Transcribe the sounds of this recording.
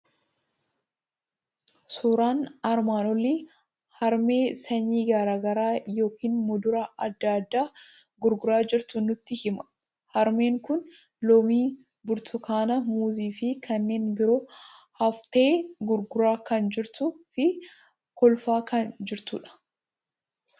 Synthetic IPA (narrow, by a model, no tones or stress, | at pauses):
suːɾaːnɐɾmaːnɔli | hɐɾme̞ːsɐɲːiːɡɐɾaːɡɐɾaːjo̞ːkiːnmʊd̪ʊɾɐʔɐd̪ːaːd̪ːaːɡʊɾɡʊɾaːd͡ʒɪɾt̪ʊnʊt̪ːɪhɪmɐ̥ | hɐɾme̞ːŋkʊn | lɔmiː | bʊɾt̪ʰʊkʰaːnɐmuːziːfɪkʰɐnːe̞ːnbɪɾoːhɐft̪e̞ːɡʊɾɡʊɾaːkɐnd͡ʒɪɾt̪ʊfɪ | kɔlfaːkɐnd͡ʒɪɾt̪uːᶑɐ̥